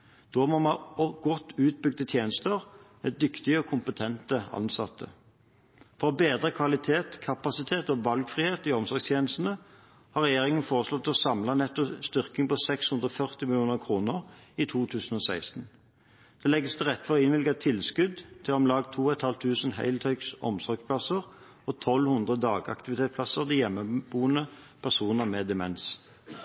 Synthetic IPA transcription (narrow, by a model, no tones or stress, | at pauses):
d̪̥oːmomɑɔɡɔt̪ːʉːt̪̚bʏɡd̪ət̪ʰjeːnəst̪əʁmɛd̪ʏkt̪ɪəɔkʰʊmpət̪ʰɛnt̪əɑ̰nsɑt̪ʰːə̰ | fɔʁbeːd̪ʁəkʰʋɑlɪt̪ʰeːt̪kʰɑpɑsɪt̪ʰeːt̪ɔʋɑlɡfʁiːheːt̪iɔmsɔʁɡst̪ʰjeːnəst̪n̩ə | hɑʁɛjeːʁɪŋənfoːʁəslɔt̪ʰːɛɔsɑmlɑnɛt̪ːɔst̪ʏʁkɪŋpɔsɛkshʉnd̪ʁɔfœʁt̪ɪmɪljuːnəʁkʰʁuːnəʁit̪ʰuːt̪ʰʉːsən̩ɔːsæɪst̪n̩ | d̪̥ɛlɛɡəst̪ɛʁɛt̪ːfɔʁɪnʋɪlɡɑt̪ʰɪlskʉd̪t̪ʰɪlɔmlɑːɡt̪ʰuːɔɛt̪hɑlt̪ʰːʉːsənhæ̰ɪlt̪ʰœʏksɔ̰msɔʁɡspʰlɑsəʁ | ɔt̪ʰɔlhʉnd̪ʁəd̪ɑːɡɑ̰kt̪ɪʋɪt̪ʰeːt̪spʰlɑsəʁd̪ijɛmːəbuːənə | pʰæʁsuːnəʁmɛd̪ɛmɛ̰ns